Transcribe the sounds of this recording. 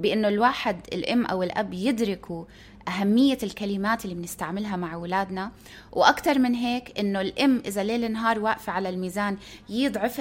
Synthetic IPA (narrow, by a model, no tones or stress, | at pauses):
bɪʔɪnːolwaːħɪd̪ɪ̰lʔɪmːʔa̰wɪlʔa̰bːjɪd̪ɾɪkʰu | ʔaɦamːɪjːalkalɪmaːt̪ɪlːimɪnɪst̪aʕmɪlɦamaʕwɪlaːd̪na | wʔakt̪ɑɾˤmɪnɦeːkʔɪnːolʔɪmːʔɪzaleːlɪnːɦɑːɾˤwaːʔfiʕalalmiːzaːnjɪd̪ˤʕɪf